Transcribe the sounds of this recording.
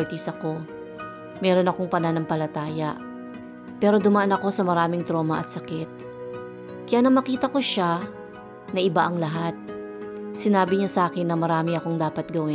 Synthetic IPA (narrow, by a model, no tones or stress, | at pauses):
t̪isɐko̞ | mɛɾo̞nɐko̞ŋpɐnanɐŋpɐlɐt̪aːjɐʔ | pɛːɾo̞d̪ʊmaʔanɐko̞sɐmɐɾaːmɪŋt̪ɾo̞ːmɐʔɐ̰t̪sɐkɛt̪̚ | kɐjaːnɐŋmɐkiːt̪ɐko̞ʃa | nɐʔɪbaʔɐŋlɐɦat̪̚ | sɪnaːbɪɲasʔaːkɪnːɐmɐɾaːmɪɐko̞ŋd̪aːpɐt̪̚ɡɐwɪ